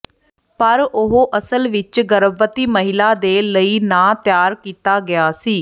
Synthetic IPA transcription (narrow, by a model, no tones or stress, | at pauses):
pəɾʊɦoːʔəsəlʋɪt͡ʃɡəɾəbʋət̪iːməɦɪlaːd̪eːləiːnãːt̪jaːɾkiːt̪aːɡɪjaːsiː